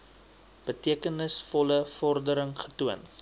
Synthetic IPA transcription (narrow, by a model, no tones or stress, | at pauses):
b̥ətiəkənəsfɔləfɔrdəɾəŋχə̥tuən